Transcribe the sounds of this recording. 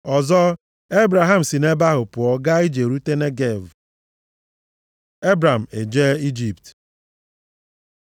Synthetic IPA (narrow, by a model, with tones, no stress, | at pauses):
ɔ˨zɔ˦ | e˦bɾa˨ɦa˨m̩˨si˨ne˦ba˦ɦʊ˨pʊ˨ɔ˨ɡa˦i˦d͡ʒe˨ɾu˦te˦ne˦ɡe˦˨v | e˦bɾa˨m̩˨e˨d͡ʒe˦i˦d͡ʒi˨pt